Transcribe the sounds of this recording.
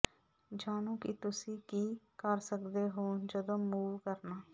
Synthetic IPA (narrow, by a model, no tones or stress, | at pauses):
d͡ʒaːnõkit̪ʊsiːkiːkəɾsəkd̪eɦoːd͡ʒəd̪oːuːʋkəɾnaː